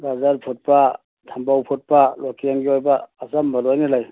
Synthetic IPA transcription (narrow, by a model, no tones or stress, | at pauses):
ɡazaɾpʰut̚pa | tʰambawpʰut̚palokijaŋɡiojbaːzamːɐlojnilaj